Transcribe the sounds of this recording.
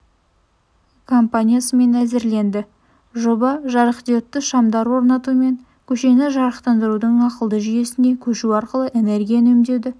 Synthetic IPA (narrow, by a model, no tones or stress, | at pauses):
kʰo̞mpanʲijasəme̞næzɪɾle̞nd̪ɪ | ʒobɑʒɑɾəqt̪eot̪ːəʃɑmd̪ɑɾwo̞ɾnɑt̪uəme̞ŋ | kʲʰɵʃe̞nɪʒɑɾəqt̪ɑnd̪əɾud̪əɴɑqəlˠd̪əʒʏje̞sɪne̞kʲʰɵʃuɑɾqəlˠəʔe̞ne̞ɾɡʲijanɵmd̪e̞wd̪ɪ